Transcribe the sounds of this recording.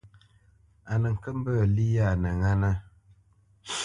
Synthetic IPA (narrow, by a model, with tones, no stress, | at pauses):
a˨nə˨ŋ̩˨kə˦m˦bə˦˨li˦ja˦˨nə˨ŋa˦na˦